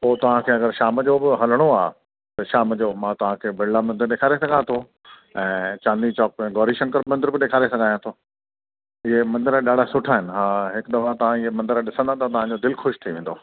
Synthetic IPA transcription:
poːt̪ɐʋ̤ãkʰeːɐɡəɾʃaːmd͡ʑobɪɦɐləɽ̃oaː | t̪ɐʃaːmd͡ʑoːmãt̪ɐʋ̤ãkʰeːbʱɪɽlamɐ̃nd̪əɾɗeːkʰaːɾesɐɡʱãt̪ʰo | ɛ̃ːt͡ɕãːnd̪it͡ɕɔːk̚bɛ̃ːɡɔːɾiʃɐ̃ŋkəɾmɐ̃nd̪əɾbɪɗeːkʰaːɾesɐɡʱaːjãt̪ʰoː | ɪɦemɐ̃nd̪ɪɾəɗaːɽ̤asʊʈʰaːɦɪnɪ̆ɦaːɦɪkd̪ɐfat̪ɐʋ̤ãɪɦemɐ̃nd̪əɾɗɪsə̃nd̪at̪ʰat̪ɐʋ̤ãd͡ʑoːd̪ɪlxʊʃt̪ʰiʋẽːn̆d̪oː

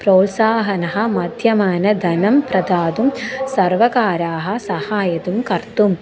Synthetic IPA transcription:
pɾoːt̪saːɦɐnɐɦɐ̆mɐd̪ʱjɐmaːnɐd̪ʱɐnɐmpɾɐd̪aːd̪umsɐɾʋɐkaːɾaːɦɐ̆sɐhaːjɐt̪umkɐɾt̪um

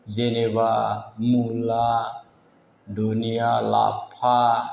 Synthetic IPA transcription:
d͡ʒenebamula | doniala̰pʰa

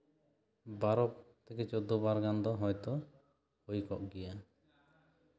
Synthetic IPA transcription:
baɾɔpt̪ʰɛkɛt͡ʃɔd̪ɔbaɾɡand̪ɔɦɔjt̪ɔ | hojkɔʔɡɛja

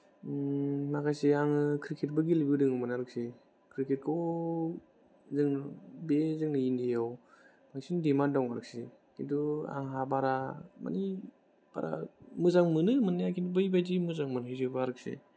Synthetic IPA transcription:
makajseaŋɯkʰɾikʰet̚bɯɡilibiwdɯŋɯmɯnaɾɯk̚si | kʰɾikʰet̚kʰɔ | zɯŋbezɯŋnɯindijaw | maɡisindimandaŋaɾɯk̚si | kʰindua̰ŋɦabaɾama̰ni | b̥a̰ɾa̰mɯzaŋmɯnɯmɯnajakindubɯjbajzimɯzaŋmɯnɯjzɯbaɾɯk̚sḛ

